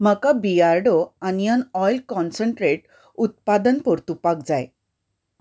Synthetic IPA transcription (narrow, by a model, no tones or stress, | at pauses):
m̤əkabiaɾɖoanijanɔjlkɔnsəɳʈɾeʈ | ut̪̚pad̪ənpɔɾt̪upak̚d͡zaj